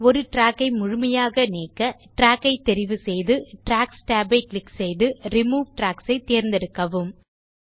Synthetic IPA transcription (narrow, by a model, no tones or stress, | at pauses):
ɔɾɯʈɾaːkːɐɪmʊɻʊmɐjaːɣɐneːkːɐʈɾaːkːɐɪt̪ːɛɾɪʋɯsɛjðɯʈɾaːksʈaːbɐɪklɪksɛjðɯɾɪmuːʋʈɾaːksɐɪt̪eːɾnd̪ɛɽɯkːɐʋɯm